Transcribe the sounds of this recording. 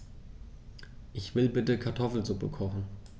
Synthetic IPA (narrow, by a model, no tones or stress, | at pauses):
ʔɪçv̥ɪlbɪtəkʰaɐtʰɔfl̩zupəkʰɔχn̩